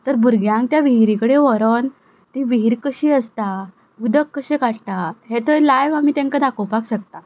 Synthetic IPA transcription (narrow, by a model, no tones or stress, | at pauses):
t̪əɾbuɾɡjãŋkt̪jaʋiɦiɾikəɽeʋɔɾən | t̪iʋiɦiɾkəɕiəst̪a | ɡud̪ʱəkːəɕekaʈʈ̪aɦet̪əlajʋamiːt̪ẽŋkad̪akowpakɕək̚t̪a